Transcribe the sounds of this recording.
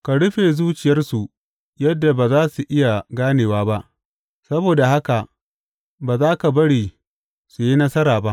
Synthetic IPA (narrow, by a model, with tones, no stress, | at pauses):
ka˨ɽʊ˦ɸeː˨zuː˦t͡ʃɪ˨jɐ˦rsu˨ʔ | jɐ˦dːa˨baː˨zaː˦su˨ʔɪ˦ja˨ɡaː˦neː˨waː˦ba˦ʔ | sɐ˦boː˨da˨ha˦ka˨ | baː˨zaː˦ka˨bɐ˦ɽiː˨ | su˨ji˦nɐ˦sɐ˦ɾaː˨ba˦ʔ